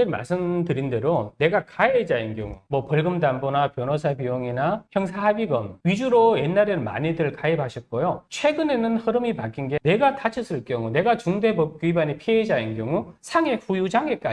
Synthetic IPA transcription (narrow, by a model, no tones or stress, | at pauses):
ema̰ɭs͈ɯmdɯɾinde̞ɾone̞ɡakaed͡ʑainɡjʌ̰ŋumwʌpʌɭɡɯmdambonapjʌnosʰapioŋinapjʌŋs̬ʰaɦabiɡʌmɥid͡ʑuɾoje̞nːaɾema̰ɲidɯɭkaebaɕʰʌt̚k͈ojot͡ɕʰwe̞ɡɯne̞nɯnhɯɾɯmipak͈inɡe̞ne̞ɡatat͡ɕʰʌs͈ɯɭk͈jʌŋune̞ɡat͡ɕuŋde̞bʌp̚k͈ɥibaɲipʰied͡ʑainɡjʌŋusʰaŋe̞ɸujud͡ʑaŋe̞k͈a